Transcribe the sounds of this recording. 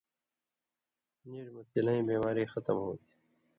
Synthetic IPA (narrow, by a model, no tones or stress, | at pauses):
niːɾmʊt̪ːɪləĩːbeːmaːɾiːxət̪əmɦoːt̪ʰi̥